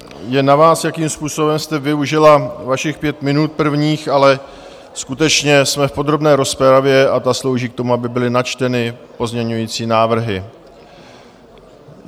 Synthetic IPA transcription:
jɛnavaːsjakiːmspuːso̞bɛmst̪ɛvɪuʒɪlavaʃɪxpjɛt̪mɪnut̪̚pr̩vɲiːxʔalɛ | skut̪ɛt͡ʃɲɛsmɛfpo̞d̪ɾo̞bnɛːɾo̞spɛɾavjɛʔat̪aslo̞wʒiːkt̪o̞muabɪbɪlɪnat͡ʃt̪ɛnɪpo̞zmɲɛɲujiːt͡siːnaːvr̩ɦɪ

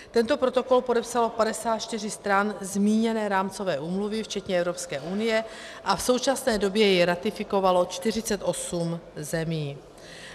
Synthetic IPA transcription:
t̪ɛnt̪o̞pɾo̞t̪o̞ko̞lpo̞dɛpsalo̞padɛsaːt̪t͡ʃt̪ɪr̝ɪst̪ɾanzmiːɲɛnɛːɾaːmt͡so̞vɛːʔuːmluvɪft͡ʃɛt̪ɲɛɛvɾo̞pskɛːʔunɪjɛ | ʔafso̞wt͡ʃasnɛːdo̞bjɛjɛɾat̪ɪfɪko̞valo̞t͡ʃt̪ɪr̝ɪt͡sɛt̪ʔo̞sumzɛmiː

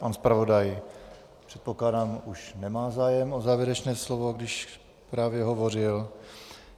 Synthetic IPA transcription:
panspɾavo̞daj | pr̥ɛt̪̚po̞klaːdaːmuʃnɛmaːzaːjɛmozaːvjɛɾɛt͡ʃnɛːslovo̞ɡdɪʃ | pɾaːvjɛɦovo̞rɪl

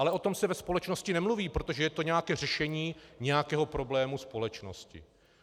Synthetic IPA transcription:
alɛʔo̞t̪o̞msɛvɛspo̞lɛt͡ʃno̞scɪnɛmluviːpɾot̪oʒɛjɛt̪o̞ɲɛjakɛːr̝ɛʃɛɲiːɲɛjakɛːɦo̞pɾo̞blɛːmuspo̞lɛt͡ʃno̰scɪ̰

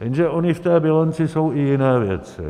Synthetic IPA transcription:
j̪ɛnʒɛʔoɲɪft̪ɛːbɪlant͡sɪso̞wʔɪjɪnɛːvjɛ̰t͡sɪ̰

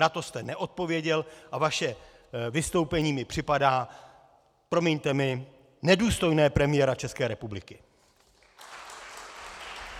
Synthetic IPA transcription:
nat̪o̞st̪ɛnɛʔo̞t̪̚po̞vjɛɟɛlʔavaʃɛ | vɪst̪o̞wpɛɲiːmɪpr̝̥ɪpadaː | pɾomjɛɲt̪ɛmɪ | nɛduːst̪o̞jnɛːpɾɛmɪjɛɾat͡ʃɛskɛːɾɛpublɪkɪ

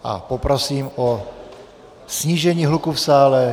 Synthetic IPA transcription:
ʔa̰popɾosiːmʔo | sɲiːʒɛɲiːɦlukufsaːlɛ

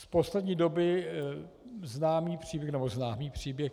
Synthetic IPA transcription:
sposlɛdɲiːdo̞bɪ | znaːmiːpr̝̥iːbjɛxnɛboznaːmiːpr̝̥iːbjɛx

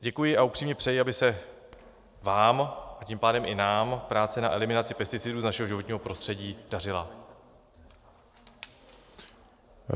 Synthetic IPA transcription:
ɟɛkujɪʔaupr̝̥iːmɲɛpr̥ɛjɪabɪsɛ | vaːmʔaciːmpaːdɛmʔɪnaːmpɾaːt͡sɛna̰ʔɛlɪmɪnat͡sɪpɛst̪ɪt͡sɪduːznaʃɛɦoʒɪvo̞t̪ɲiːɦopɾo̞st̪r̥ɛɟiːdar̝ɪla

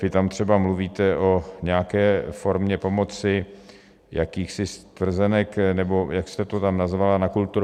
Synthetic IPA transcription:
vɪt̪amt̪r̝̥ɛbamluviːt̪ɛʔo̞ɲɛakɛːfo̞ɾmɲɛpo̞mo̞t͡sɪ | jakiːxsɪst̪vr̩zɛnɛknɛbo̞jakst̪ɛt̪ot̪amnazvalanakult̪uɾ

